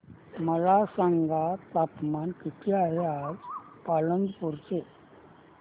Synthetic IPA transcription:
məlasaŋɡat̪at̪mankiʈʰiaɦead͡zpalənd̪puɾt͡se

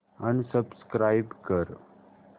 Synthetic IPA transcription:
anisəbskɾajbkəɾ

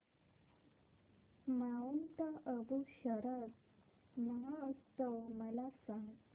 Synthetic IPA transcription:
maunt̪aʔəbuɕəɾəd | məɦaəst̪əwməlasãŋɡ

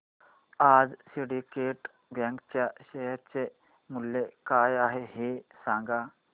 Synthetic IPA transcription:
ad͡zsiɽikeʈ | bãŋkt͡ɕjaɕəjəɾt͡se | muljekajaɦeɦesãŋɡa

